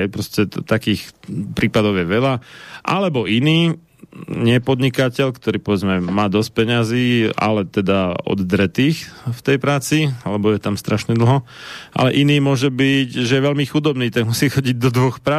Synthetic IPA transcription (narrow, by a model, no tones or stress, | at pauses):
ɛpɾɔscɛt̪akiːxpɾiːpad̪ɔʊjɛʋɛʎaʔa̰lɛbɔiniː | ɲɪɛpɔd̪ɲikacɛʎkt̪ɔɾiːpɔʋɛd͡zmɛmaːd̪ɔsc̚pɛɲaziːa̰lɛt̪ɛd̪aɔ̰d̪d̪ɾɛt̪iːxft̪ɛjpɾaːt͡sialɛbɔjɛt̪amst̪ɾaʃɲɛd̪l̩ɦɔʔa̰lɛʔiniːmʊɔʒɛbicʒɛjɛʋɛʎmixud̪ɔbniːt̪aɡmusiːxɔɟiɟd̪ɔd̪ʋɔxpɾa